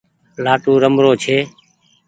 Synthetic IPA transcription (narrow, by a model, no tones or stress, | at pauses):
laːʈũːɾəmɾoːt͡ʃʰeː